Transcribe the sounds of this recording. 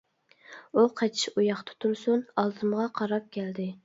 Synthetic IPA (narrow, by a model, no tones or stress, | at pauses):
uqʰɑt͡ʃʰi̥ʃujɑχt̪ʰɑ̥t̪ʰuɾsunɑlˠzɨmʁɑqʰɑɾɑp̚kʲʰɛld̪ɪ